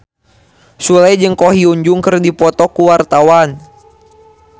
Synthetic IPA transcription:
sulajd͡ʒəŋkɔɦiuɲd͡ʒuŋkərdipɔt̪ɔkuwart̪awan

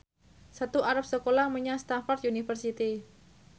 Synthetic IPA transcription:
sat̪uaɾap̚səkolahməɲast̪anfart̪unifərsit̪i

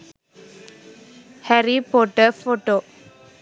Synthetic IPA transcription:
hɛɾipoʈːəfoʈːoː

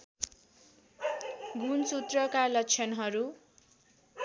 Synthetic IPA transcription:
ɡʱunsut̪rʌkalʌkt͡sʰʌnɦʌɾu

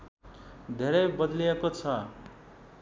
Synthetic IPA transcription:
d̪ʱeɾʌjbʌd̪liekot͡sʰʌ

